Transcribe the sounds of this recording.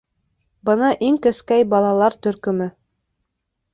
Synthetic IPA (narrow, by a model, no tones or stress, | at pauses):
bɤ̆nɑʔiŋkɘ̆skæjbɑlˠɑlˠɑɾt̪ɵ̆ɾkɵ̆mɘ